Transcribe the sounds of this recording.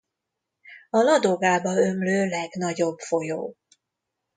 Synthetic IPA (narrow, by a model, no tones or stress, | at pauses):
ɒlɒd̪oɡaːbɒømløːlɛɡnɒɟo̞bfo̞joː